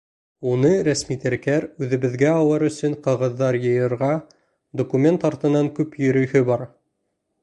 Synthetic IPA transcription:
unɤɾæsmit̪æɾkæɾʉðɘ̆βɘ̆ðɡæɑlˠɤɾɵ̆sɵɴqɤ̆ʁɤ̆ðːɑɾjɤ̆jɤ̆ɾʁɑ | d̪okumʲe̞nt̪ɑɾt̪ɤ̆nːɑŋkʉpjɵ̆ɾɵ̆hɵbɑɾ

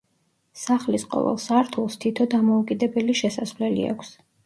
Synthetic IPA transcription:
saχlisqʼɔ̰vɛ̰lˠsaɾt̪ʰulˠst̪ʰit̪ʰɔd̪amɔukʼid̪ɛbɛliʃɛsasvlɛlḭa̰kʷʰs

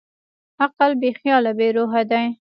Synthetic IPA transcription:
aqalbexjɑlabeɾoɦad̪aj

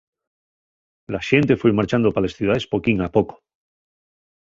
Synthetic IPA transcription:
laʃe̞nt̪e̞fwemaɾt͡ʃand̪opalesθjuð̞aðe̞spo̞kiŋapo̞ko̥

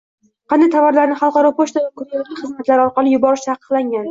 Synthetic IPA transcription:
qʰɑnd̪ajt̪ʰavɒɾlaɾnɪχɑlˠqɑɾɒpʰoʃt̪avakʰʊɾalʲɪχɨzmat̪laɾɪɒɾqɑlɪjʊbɒɾɪʃt̪ʰɑqə̥qlˠaŋɡʲan

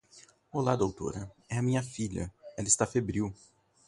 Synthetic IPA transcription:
olad̪owt̪o̰ɾɐɛɐmĩɲɐfiʎɐ̰ɛlɐɪst̪afebɾiw

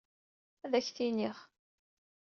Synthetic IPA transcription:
æðæçθiniχ

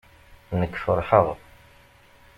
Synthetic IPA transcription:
nəkːfəɾˤħəʁ

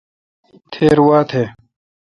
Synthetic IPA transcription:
t̪ʰeːɾwaːt̪ʰeː

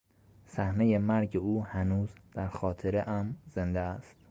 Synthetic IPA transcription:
sæhnejemæɾɟeuːhænuːzd̪̥æɾxɒːt̪ʰeɾeʔæmzend̪eæst̪

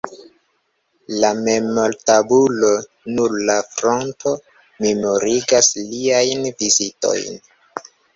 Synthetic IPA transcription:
lame̞mo̞ltabulo̞ | nuɾlafɾo̞nto̞ | memoɾiɡasliajnvizito̞̰jn

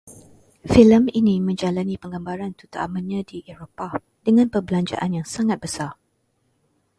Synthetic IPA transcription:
filəminimə̃ɲd͡ʒalanipəŋɡambaɾant̪ut̪aʔamanɲãdiʔeɾopa | d̥əŋãnpəbəlaɲd͡ʒa̰ʔanjaŋsaŋat̪̚b̥əsar

